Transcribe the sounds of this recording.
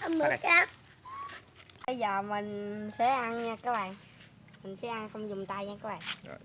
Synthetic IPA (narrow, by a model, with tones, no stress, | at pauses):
ʔə˧mmɨ˨˦kkaː˦˥k̚ | ɓə˧jzəː˨˩mï˨˩ŋsɛ̰˧˥ʔa˧n˧kaː˨˦ɓa̰ː˨ŋ | mï˨˩ŋ̟sɛ̰˨˦˥ʔa˧nxə˧wŋ͡mzʊ˨˩ŋ͡mt̪aː˧jaː˧˦kɔː˨˦˥ɓa̰ː˨ŋ